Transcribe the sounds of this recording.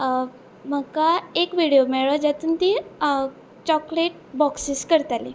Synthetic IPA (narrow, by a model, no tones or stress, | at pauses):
m̤əkaekʋiɽijomɛɭəd͡ʑat̪uːnt̪i | t͡ɕɔkleʈ̚ | bɔksiskəɾt̪ali